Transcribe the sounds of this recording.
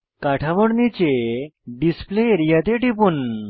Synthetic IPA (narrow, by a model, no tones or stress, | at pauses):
kaʈʰaʋəɽnit͡ɕeɖispleɾijat̪eʈipuːn